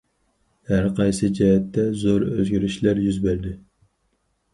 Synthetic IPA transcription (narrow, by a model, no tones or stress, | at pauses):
hæɾqʰɑjsɨd͡ʒɛɦɛt̪ːɛzoɾøzɡʲyɾɪʃlæɾjyzbæɾd̪ɪ